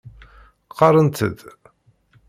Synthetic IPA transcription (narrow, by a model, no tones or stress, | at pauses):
qʰːɑɾˤənt̪ə̰d̪